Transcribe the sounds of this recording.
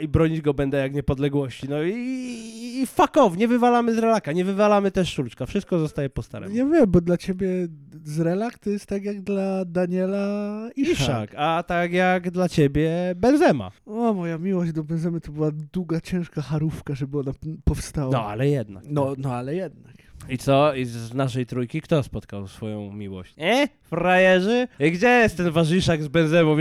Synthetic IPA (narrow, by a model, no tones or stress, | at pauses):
ibɾɔɲid͡ʑɡɔbɛnd̪ɛjakɲɛpɔd̪lɛɡwɔɕt͡ɕinɔi | fakɔvɲɛvɘvalamɘzɾɛlakaɲɛvɘvalamɘt̪ɛʂːult͡ʂkafʂɘst̪̚kɔzɔst̪ajɛpɔst̪a̰ɾɛ̰javʲjɛmbɔd̪lat͡ɕebʲjɛzɾɛlakt̪ɔjɛst̪ːakʲjaɡd̪lad̪aɲɛlaiiʂa̰kat̪akjaɡd̪lat͡ɕebʲjɛbɛnzɛma̰ɔmɔjamʲiwɔʑd͡ʑd̪ɔbɛnzɛmɨt̪ɔbɘwad̪wuɡat͡ɕɛ̃w̃ʂkaxaɾufkaʐɛbɘɔnapɔfst̪awanɔa̰lɛjɛd̪̚na̰knɔnɔalɛjɛd̪̚nakit̪sɔizznaʂɛjt̪ɾujkʲikt̪ɔspɔt̪kawsfɔjɔ̰̃w̃mʲiwɔ̰ɕt͡ɕɛ | fɾajɛʐɛɡd͡ʑɛjɛst̪ːɛnvaʐiʂaɡzbɛnzɛmɔ̃